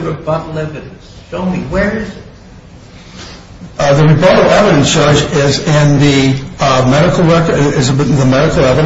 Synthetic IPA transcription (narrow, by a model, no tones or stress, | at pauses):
ɹɨbɑɾl̩ˠɛvɨɾnsʃoʊmiwə˞ɪzɪt̚ | ðɨɹɨbɑɾl̩ˠɛvɨɾɨ̃nsɑɹd͡ʒɪzɪ̃nði | mɛɾɨkl̩ˠɹɛkəɪzɨbðəmɛɾɨkl̩ˠɛvɨɾ